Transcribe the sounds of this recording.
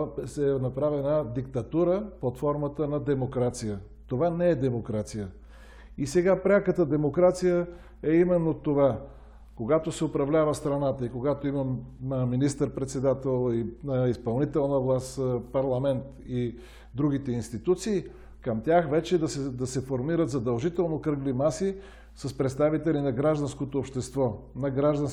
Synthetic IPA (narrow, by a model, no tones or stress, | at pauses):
sɛnɐpɾavɛnəd̪ikt̪ɐt̪uɾəpot̪fɔɾmət̪ənɐd̪ɛmokɾat̪sijə | t̪ovanɛɛd̪ɛmokɾat̪sijə | isɛɡapɾʲakət̪əd̪ɛmokɾat̪sijə | ɛimɛnːot̪ova | koɡat̪osɛopɾɐvlʲavəst̪ɾɐnat̪əikoɡat̪oimɐmminist̪əɾpɾɛt̪sɛd̪at̪ɛlˠiispɐlˠnit̪ɛlˠnəvlˠast̪pɐɾlˠɐmɛnt̪i | d̪ɾuɡ̟it̪ɛinst̪it̪ut̪siː | kɐmt̪ʲaxvɛt͡ʃɛd̪sd̪ɐsɛfoɾmiɾət̪zɐd̪ɐlˠʒit̪ɛlˠnokəɡlimasi | səspɾɛt̪st̪avit̪ɛlinɐɡɾaʒd̪ɐnskot̪oːpʃt̪ɛst̪vɔnɐɡɾaʒd̪ɐns